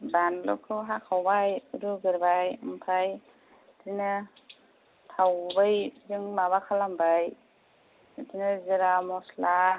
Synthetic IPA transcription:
banlɔ̰kʰɯɦakʰawbajɯɾuɡɯɾbajɯmpʰaj | dinɯ | tʰawbajzɯŋmaβakʰalambaj | dinɯzɯɾamɔsla

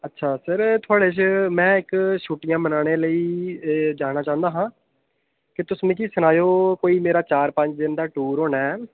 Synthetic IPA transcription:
ətːʃʰaːsəɾt̪ʰʊaːɽeːt͡ʃmɛ̃ːɪkʃuːʈɪjãːmənaːɽ̃eːləiːd͡ʒaːñaːt͡ʃãːə̃nd̪aːɦãː | kɪt̪ʊsmẽːkiːsənaːjoːkoːiːmeːɾaːt͡ʃaːɾpə̃ɲt͡ʃd̪ɪnd̪aːʈuːɾɦoːnɛː

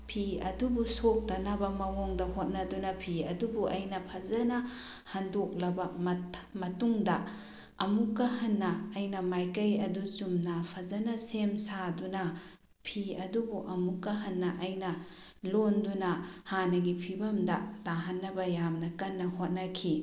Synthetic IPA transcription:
pʰiɐ̰dubusok̚tɐnɐbɐmɐwoŋdɐhot̚nɐdunɐpʰiɐdubuʔɐjnɐpʰɐzɐnɐ | hɐndok̚lɐbɐmɐmɐtuŋdɐ | ɐmukːɐɦɐnːɐːjnɐmajkɐjɐduzumnɐpʰɐzɐnɐsemsadunɐ | pʰiɐdubuʔɐmukːɐɦɐnːɐʔɐjnɐ | londunɐhanɐɡipʰibɐmdɐtaɦɐnːɐbɐjamnɐkɐnːɐhot̚nɐkʰi

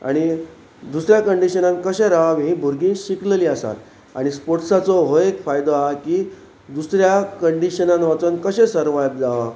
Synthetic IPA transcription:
a̰ɽ̃i | d̪usɾjakəɳɖiɕənãnkəɕɛ̃ɾaʋaʋɦĩbʱuɾɡĩːɕikleliasa̰t̪ | a̰ɽ̃ispoɾʈsat͡sɔɦoekfajd̪oaakiː | d̪usɾjakəɳɖiɕənãnʋat͡sənkəɕɛ̃səɾʋaj̚d͡zaʋa

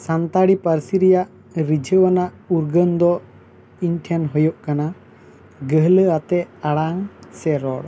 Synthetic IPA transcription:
sant̪aɽipəɾsiɾɛjaʔ | ɾid͡ʒʱəwanaʔ | uɾɡənd̪ɔ | inʈʰɛnɦɔjɔʔkana | ɡəɦləat̪ɛaɽaŋsɛɾɔɽ

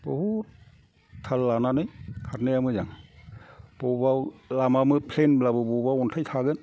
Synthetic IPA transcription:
bɔhutʰː | alːananɯjkʰatnɯjamɯzaŋ | b̥ɔbawlamamɯpʰlenblabɯbɔbawɔntʰajtʰaɡɯn

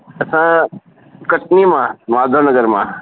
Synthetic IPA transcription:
ɐsã | kɐʈ̚nimãmaːd̪ʱəɾnɐɡəɾmã̰

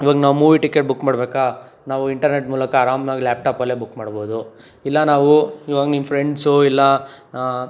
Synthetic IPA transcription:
iʋaːɡnaːʋmuːʋiʈikːeʈ̚bukːmaːɽbeːka | naːʋuiɳʈɐɾneʈmuːlɐkɐːɾaːmnaːɡlaːp̚ʈaːpɐlːebukːmaːɽboːd̪u | ilːɐnaːʋuiʋaːɡɐnimːɐpɾeɳɖsuilːɐ

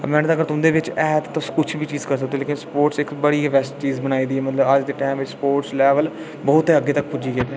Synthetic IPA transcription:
mɛ̃ːnt̪ːəɡəɾt̪ʊmd̪eːʋɪt͡ʃɛːt̪ːt̪ʊskʊt͡ʃʰbiːt͡ʃiːzkəɾs̬ək̚d̪eːleːkɪnspoːʈsɪkbəɽiːʋɛːsʈt͡ʃiːzbəñaːiːd̪iːɛːmət̪ləbəd͡ʒd̪eːʈaːmʋɪt͡ʃspoːʈslɛːʋəl | bɔːt̪eːəɡːeːt̪ək̚pʊd͡ʒiːɡeːɛ

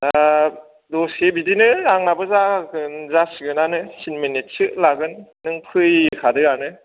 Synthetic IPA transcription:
da | dɔsebidinɯaŋnabɯzaɡɯnzasiɡɯnanɯsinmɯnetsɯʔlaɡɯnː | ɯŋpʰɯjkʰadɯanɯ

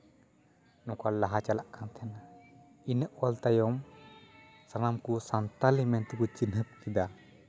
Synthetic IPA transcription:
nɔkalaɦat͡ʃalaʔkant̪ʰɛna | inəʔwalt̪ajɔm | sanamkusant̪alimɛnt̪kut͡ʃinɦəp̚kid̪a

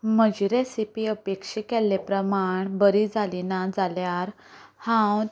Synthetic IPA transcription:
məd͡ʑiɾesipiəpekʂikɛlːepɾəmaɳbəɾid͡zalinad͡zaljaɾ | hãw

